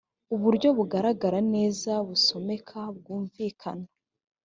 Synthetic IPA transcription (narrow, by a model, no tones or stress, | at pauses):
uβuɾɟo̞βuɡaɾaɡaɾane̞ːzaβuso̞me̞kʰabɡuːɱviːkʰa̰nḁ